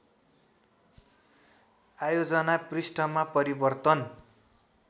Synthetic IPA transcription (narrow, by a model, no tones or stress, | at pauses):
ajod͡zʌnaprisʈʌmapʌɾibʌrt̪ʌn